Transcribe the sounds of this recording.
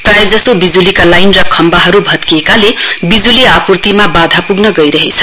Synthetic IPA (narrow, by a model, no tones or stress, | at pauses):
prajed͡zʌst̪obid͡zulikalajnrʌkʰʌmbaɦʌɾubʱʌt̪̚kiekalebid͡zuliapurt̪imabad̪ʱapuɡnʌɡʌjɾʌɦet͡sʰʌ